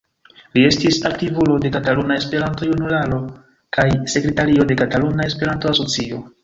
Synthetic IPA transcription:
lie̞stisaktivulo̞de̞katalunae̞spe̞ɾanto̞junulalo̞ | kajse̞kɾe̞taɾio̞de̞katalunae̞spe̞ɾanto̞aso̞t͡sio̞̰

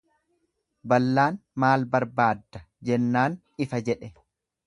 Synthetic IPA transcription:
bɐlːaːnmaːlbɐɾbaːd̪ːɐ | d͡ʒɛnːaːn | ɪfɐd͡ʒɛᶑɛ

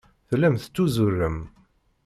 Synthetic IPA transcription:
θlæmθə̥t͡sːuzʊrːəm

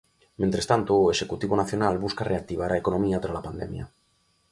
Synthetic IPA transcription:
ment̪ɾest̪ant̪oːeʃekut̪iβonaθjo̞nalβuskareak̚t̪iβ̞aɾaekonõmiat̪ɾalapand̪emja̰

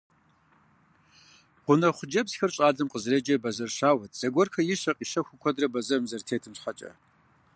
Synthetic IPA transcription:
ʁʷʊnɐχʷʊd͡ʒɐbsxɐrɕʼaːdɐmqəzred͡ʒɐbɐzɐrʃaːwɐt̚ʰʼz̥ɐɡʷɔrxʰɐjɪɕɐqʼiːʃɐxʷʊkʷʰɔdrɐbɐzɐmzɐrtʰeːtʰɨmɕħɐt͡ʃʼɐ̰

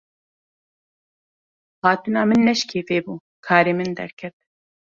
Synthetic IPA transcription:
hɑːt̪ɨnɑːmɨnːɛʃkʰeːveːbuː | kʰɑːɾeːmɨnd̪ɛ̰ɾkʰɛt̪̚

